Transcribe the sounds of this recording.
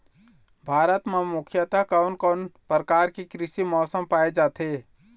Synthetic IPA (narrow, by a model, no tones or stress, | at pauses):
bʱaːɾət̪memʊkʰjət̪akaːnkɔːnpəɾəkaːɾkikɾɪʃimɔːsəmpaːed͡ʒaːt̪ʰeː